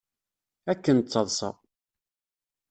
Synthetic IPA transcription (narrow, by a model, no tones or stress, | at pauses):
ækːənt͡sːɑðˤsɑ̰